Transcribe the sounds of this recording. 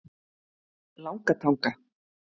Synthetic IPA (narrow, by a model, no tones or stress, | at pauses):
lawkat̪ʰaŋka